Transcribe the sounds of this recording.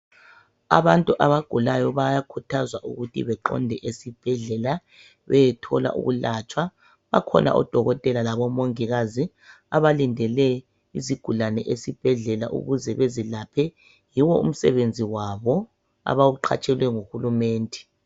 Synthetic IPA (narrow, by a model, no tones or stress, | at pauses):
a̰βantʼuʔaβaɡ̥ʱulajɔβajakʰutʰazwaʔṵɣutʰḭβɛǃɔ̰ndʱɛʔesib̥ʱɛɮɛla | βɛjɛtʰɔla̰ʔṵɣulat͡ʃʼwa | βa̰kʰɔnʔa̰ʔɔ̰d̥ʱɔɣɔtʼɛlalaβɔmoŋiɣazi | aβalindʱɛlɛ | iziɡ̥ʱulanɛʔesib̥ʱɛɮɛla̰ʔṵɣuzɛβezilapʰɛ | jiwɔṵm̩sɛβend͡zʱiwaβɔ | a̰βawuǃʰa̰t͡ʃʼɛlwɛŋuhulumɛːndʱɛ̥